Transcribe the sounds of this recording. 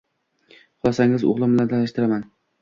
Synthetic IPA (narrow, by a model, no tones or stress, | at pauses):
qʊlˠɒsaŋɪzo̰ʁlˠɪmbɪlant̪ʰanɪʃt̪ɪɾaman